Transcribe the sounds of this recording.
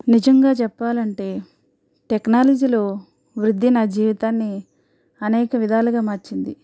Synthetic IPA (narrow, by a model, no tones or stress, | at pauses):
nid͡ʒɐŋɡaːt͡ʃɛpːaːlɐɳʈe̞ː | ʈeknaːlɐd͡ʒiːlo̞ː | ʋɾud̪ʱːinaːd͡ʒiːʋit̪aːnːi | ɐnɛːkɐʋid̪ʱaːluɡaːmaːɾt͡ʃind̪i